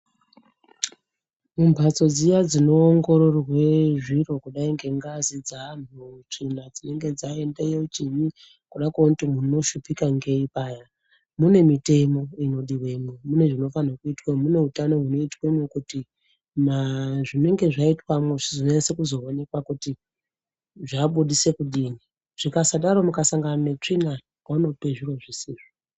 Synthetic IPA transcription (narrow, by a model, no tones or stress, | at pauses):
mumbʱat͡so̞d͡zijad͡zino̞ːŋɡo̞ɾo̞rwe̞ʐiro̞kuɗaiŋɡe̞ŋɡazid͡zanut͡ʂinad͡zine̞ŋɡe̞d͡zae̞ndejeut͡ʃiɲi | kuɗakwekutimuno̞ʃupikaŋɡe̞ipaːja | mune̞mite̞mo̞ino̞ɗiwe̞momune̞ʐino̞fanakuitwamune̞ɦutano̞ɦuno̞itwemwekuti | naʐine̞ŋɡe̞ʐaitwamwoʐizoeesekuzo̞one̞kwakuti | ʐaɓuɗise̞kuɗiːni | ʐ̥ikasaɗaɾo̞mukasaŋɡananet͡ʂina | ano̞peʐiɾoʐisiːʐo